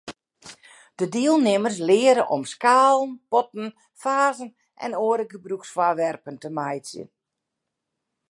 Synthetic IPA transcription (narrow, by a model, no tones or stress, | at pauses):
d̥ədiəlˠnɪmərs̬lɪəɾəʔɔmskaːlˠən̩pɔt̚n̩ | faːzən | ʔɛ̰noəɾəɡəbruksfwaʋɛrpəntəmajsjə̰n